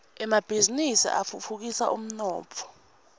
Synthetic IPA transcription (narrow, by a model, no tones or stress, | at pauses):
ɛmab̥ʱizinisḭʔa̰fufuk̬isa̰ʔṵm̩nɔːpʰɔ̥